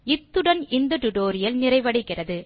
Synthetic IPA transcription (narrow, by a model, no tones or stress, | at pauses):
ɪt̪ːɯɽɐnɪnd̪ɐʈʊʈoːɾɪjɐlnɪrɐɪʋɐɽɪkːɪrɐðɯ